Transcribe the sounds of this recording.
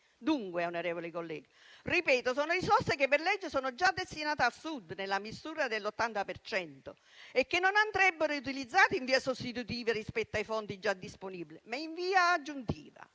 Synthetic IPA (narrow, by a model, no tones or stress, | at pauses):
d̪uŋkweaunoɾɛːvolikolːɛːɡaripɛːt̪osoːnolisɔsekepːerlɛd͡ʒːɪsoːnod͡ʒad̪ːest̪inaːt̪easːud̪nelːamisuːɾad̪elːot̪ːant̪apert͡ʃɛnt̪o | ekːenːonand̪ɾɛbːɪɾout̪ilid̪zːaːt̪ɪiɱviːasost̪it̪ut̪iːverispɛt̪ːoajfɔnt̪id͡ʒad̪ːisponibilɪmaiɱviːaːd͡ʒːunt̪ḭːva̰